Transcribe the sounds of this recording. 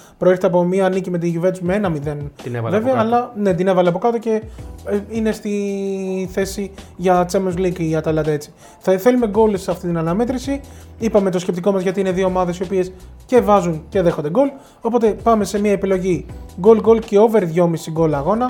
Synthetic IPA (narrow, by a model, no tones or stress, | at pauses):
pɾoe̞ɾçet̪eɐp̬o̞miɐːnicime̞t̪̬iʝuve̞t̪t͡sumeenɐmiðe̞nve̞veɐːlɐne̞t̪ine̞vɐleɐpo̞kɐt̪o̞ce̞ | ine̞st̪i | θe̞siʝɐt͡semenzlikʝɐt̪ɐlɐd̪ɐet͡si̥ | θθe̞lume̞ɡo̞lseɐft̪it̪inɐnɐme̞t̪ɾisi | ipɐme̞t̪o̞scep̚t̪iko̞mɐzʝɐt̪iineðio̞ːmɐðe̞sio̞pie̞s | ce̞vɐzunce̞ðe̞xo̞nd̪eɡo̞l | o̞po̞t̪e̞pɐme̞semiɐepilo̞ʝiɡo̞lɡo̞lce̞o̞ve̞ɾðʝo̞mist̪iɡo̞lɐːɣo̞nɐ